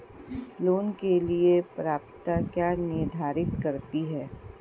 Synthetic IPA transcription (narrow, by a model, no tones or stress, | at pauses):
loːnkeliepɾaːp̚t̪akjaːnɪɾd̪ʱaːɾɪt̪kɐɾt̪iɦɛː